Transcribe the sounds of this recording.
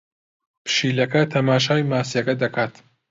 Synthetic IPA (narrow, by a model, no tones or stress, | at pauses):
pʰɨ̥ʃiːlɐkɐt̪ʰɐmaːʃaːjmaːsijɐkɐd̪ɐkʰaːt̪